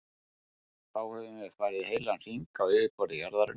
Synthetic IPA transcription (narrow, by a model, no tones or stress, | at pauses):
θawhɛvʏmvɛðfaːɾɪðhejlanr̥iŋkawʏːvʏpɔɾðɪjaɾðaɾʏn